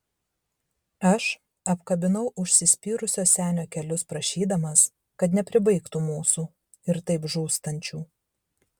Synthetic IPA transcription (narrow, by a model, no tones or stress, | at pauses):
ɐʃ | ɐpkɐbʲɪnɐʊʔʊʃʲsʲɪsʲpʲiːɾʊsʲoːsʲæːnʲoːkʲɛlʲʊspɾɐʃʲiːd̪ɐmɐs | kɐt̪nʲɛpʲɾʲɪbɐɪkt̪umuːsuː | ɪɾt̪ɐɪpʒuːst̪ɐnʲt͡ʃʲuː